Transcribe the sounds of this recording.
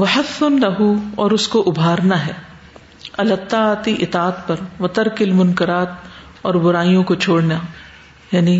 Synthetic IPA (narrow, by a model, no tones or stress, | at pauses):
ʋɐħɐθʊnlɐɦuɔːɾʊskoʔʊbʱaːɾnaɦɛː | ɐlɐt̪ːaːt̪iʔɪt̪aːt̪pɐɾʋɐt̪ɐɾkɪlmʊnkɪɾaːt̪ | ɔːɾbʊɾaːijõkot͡ʃʰoːɽna | jaːni